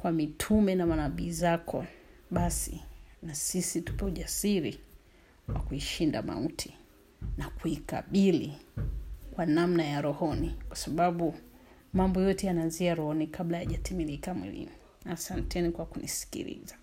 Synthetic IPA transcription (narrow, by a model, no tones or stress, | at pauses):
kwamitʰumɛnamanaɓiːzakʰɔɓasḭnasisitu̥pɛuʄasiɾi | wakuiʃinda̰ma̰utʰi̥ | nakuika̰ɓili | kwanamnajaɾɔhɔnikwasaɓaɓu | mambɔjɔtɛjanaːnziaɾɔhɔnikʰaɓlajaʄatimilikamwḭlḭmu | asantɛnikwakunisi̥kḭɾḭza